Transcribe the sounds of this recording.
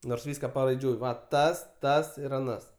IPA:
noːrs ˈʋʲiːskɐ pɐrɐɪˈd͡ʒʲʊɪ ˈʋɐ ˈtɐs ˈtɐs ɪr ɐˈnɐs

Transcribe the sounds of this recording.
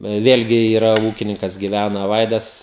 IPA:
ˈʋʲeːlʲɡʲɪ iːˈrɐ ˈuːkʲɪnʲɪŋkɐs ɡʲɪˈʋʲænɐ ˈʋɐɪdɐs

